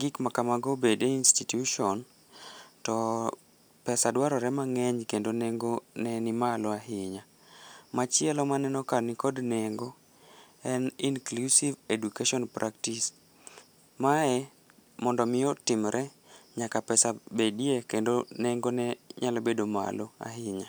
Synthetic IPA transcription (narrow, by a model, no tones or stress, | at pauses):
ɡɪkmakamaɡobedeinstitjuʃɔn | tɔ | pɛsadwaɾɔɾɛmaŋɛɲkendonɛŋɡonɛnimalɔaɦɪɲa | mat͡ʃɪɛlɔmanɛnɔkanikɔdnɛŋɡo | ɛninklusivedukeʃɔnpɾʔaktis | maɛ | mɔndɔmɪjɔtɪmɾʔɛ | ɲakapɛsabediekendoneŋɡonɛɲalobedoma̰loa̰ɦɪɲa